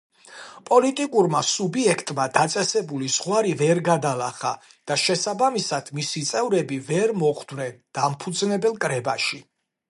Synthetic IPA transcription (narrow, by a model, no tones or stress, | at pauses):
pʼɔlit̪ʼikʼuɾmasubiɛkʰt̪ʼmad̪at̪sʼɛsɛbuliz̥ʁwaɾivɛɾɡad̪alaχa | d̪̥aʃɛsabamisad̪̥misit̪sʼɛvɾɛbivɛɾmɔʁd̪vnɛnd̪̥ampʰud̪znɛbɛlˠkʼɾɛbaʃi